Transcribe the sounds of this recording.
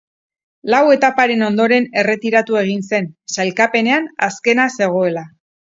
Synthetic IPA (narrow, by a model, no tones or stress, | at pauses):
lawe̞t̪apaɾe̞no̞nd̪o̞ɾe̞ne̞re̞t̪iɾat̪ue̞ɣ̞inse̞nsajlkape̞ne̞anaske̞nase̞ɣ̞o̞e̞la